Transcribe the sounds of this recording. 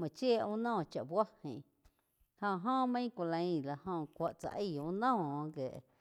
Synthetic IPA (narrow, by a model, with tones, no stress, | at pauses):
mã˨t͡ʃjeː˦˨ũ˦nɔ̃ː˦˨t͡ʃa˨ʔbwa˦hḭ̃˨ | hõ˧˨ɦõː˦mə̃˦kʷa˧lã˧ĩ˧˨la˨hõ˧kʷa˨ʔt͡sa̰˧˨ʔə˦˧˨ũ˧˦nõ˦˨˧ɡe˨ʔ